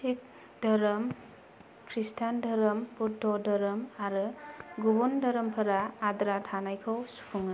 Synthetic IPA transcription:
sik̚ | dɐɾɐm | kʰɾistʰandʱɐɾɐmputʰːɔdɐɾɯmaɾɯɡubundɐɾɐmpʰɐɾaːdɾatʰanajkʰɐwsu̥pʰuŋa

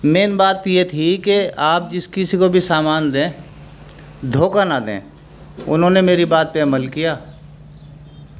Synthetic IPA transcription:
meːnbaːt̪jet̪ʰikeaːp̚d͡ʒɪskɪsikobʱisaːmaːnd̪ẽː | d̪ʱoːkanad̪ḛ̃ː | ʊ̰nɦõnemeːɾibaːt̪̚peɐməlkijaː

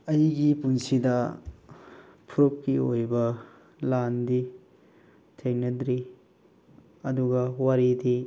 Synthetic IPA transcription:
ɐjɡipunsidɐ | pʰuɾop̚kiojbɐ | landi | tʰeŋnɐdɾi | ɐduɡɐwaɾidi

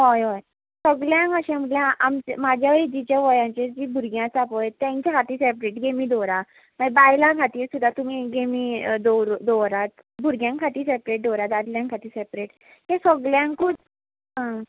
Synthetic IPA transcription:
ɦɔjɔj | səɡljãŋkəɕẽm̤əʈljãʔamt͡ɕmad͡ʑʱjaʋəid͡ʑit͡ɕjaʋɔjãt͡ɕed͡ʑiːbʱuɾɡjãt͡sapəjt̪jãɲt͡ɕakʰat̪iːsepɾeʈɡemiːd̪ɔɾa | maɡbaɾlãkʰat̪iːɾsud̪ʱːat̪um̤iɡemiːd̪oɾd̪ɔɾat̪ | bʱuɾɡjãŋkʰat̪iːsepɾeʈ̚d̪ɔɾat̪ad̪ljãŋkʰat̪iːɾsepɾeʈ | t̪ẽsəɡljãŋkkʰuːt͡s | ɦã

